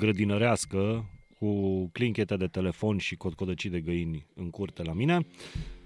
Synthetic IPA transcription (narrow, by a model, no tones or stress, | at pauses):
ɡɾəd̪inəɾeaskəkukliŋkʲe̞t̪eed̪e̞t̪e̞le̞fo̞nʲʃiko̞t̪̚ko̞d̪ət͡ʃid̪e̞ɡəjinʲɨŋkurt̪e̞lamine